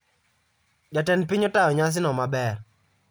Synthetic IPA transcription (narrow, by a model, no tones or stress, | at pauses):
d͡ʒatɛnpɪɲɔtaɔɲas̬ɪnɔmabɛr